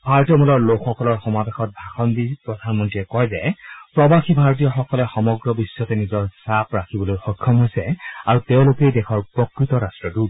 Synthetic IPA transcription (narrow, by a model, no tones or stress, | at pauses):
bʱaɹɔtijɔmulɔɹlokxɔkɔlɔɹxɔmabexɔt̚bʱaxɔnbipɹɔdʱanmɔntiɛkɔjzɛpɹɔbaxʰibʱaɹt̬ijɔxɔkɔlɛxɔmɔɡɹɔbisːɔtɛnizɔɹsapɹakʰibɔlojxɔkʰːɔmɦojsɛaɹuteʊ̃lokejdɛkʰɔɹpɹɔkɹitɔɹastɹɔdut